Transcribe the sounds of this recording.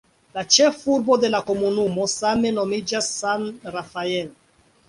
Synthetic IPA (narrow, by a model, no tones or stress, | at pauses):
lat͡ʃɛfuɾbod̪elakomunumosamenomid͡ʒasanrafael